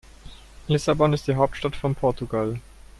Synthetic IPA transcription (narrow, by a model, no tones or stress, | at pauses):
lɪsabɔnɪst̚d̥iːɦaʊp̚tʃtatfɔnpʰɔɐtuɡal